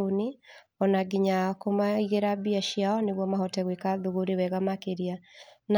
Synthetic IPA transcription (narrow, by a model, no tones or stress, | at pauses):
oni | ɔnaɡiɲakomaiɣeɾabiaʃjaɔneβwɔmaɦɔtɛɣwekaðoɣoɾewɛɣamakeɾian